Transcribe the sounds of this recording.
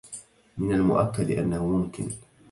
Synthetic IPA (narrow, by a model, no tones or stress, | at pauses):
mɪnalmʊ̰ʔakːad̪ɪʔa̰nːahʊmʊmkɪ̰n